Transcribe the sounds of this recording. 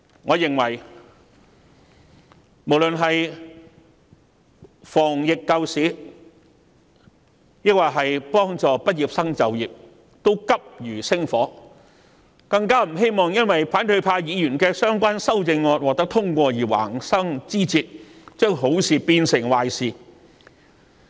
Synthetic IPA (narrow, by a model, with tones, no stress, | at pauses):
ŋɔː˨˧jɪ˨˩ŋwɐ˨˩j | mo˨˩wlɵ˨nɦɐ˨j | fɔː˨˩ŋjɪ˨kːɐ˧wsiː˨˥ | jɪ˥k̚waː˨˩ɦɐ˨jpɔː˥ŋt͡sɔː˨pɐ˥t̚jiː˨p̚sɐ˥ŋt͡sɐ˨wjiː˨p̚ | t̪o˥wkɐ˥p̚jyː˨˩sɪ˥ŋfɔː˨˥ | kɐ˧ŋkaː˥m̩˨˩ɦe˥jmɔː˨ŋjɐ˥nwɐ˨jpʰaː˨˥nt̪ɵ˧ɥpʰaː˧jiː˨˧jyː˨˩nkɛː˧sœː˥ŋkʷaː˥nsɐ˥wt͡sɪ˧ŋːɔː˧t̚wɔ˨k̚t̪ɐ˥k̚t̪ʰʊ˥ŋkʷɔː˧jiː˨˩wa̰ː˨˩ŋsɐ˥ŋt͡siː˥t͡siː˧t̚t͡ʃœː˥ŋɦo˨˥wsiː˨piː˧nsɪ˨˩ŋwaː˨jsiː˨˩